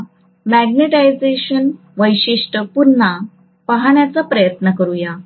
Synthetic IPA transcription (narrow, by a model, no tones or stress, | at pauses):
mæɡneʈajd͡zeɕən | ʋəjɕiʂʈəpuɾna | paɦaɳjat͡sapɾəjət̪nəkəɾuja